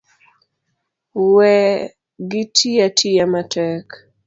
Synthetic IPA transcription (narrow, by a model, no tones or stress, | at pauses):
wɛ | ɡɪtʰijatʰijamatʰɛk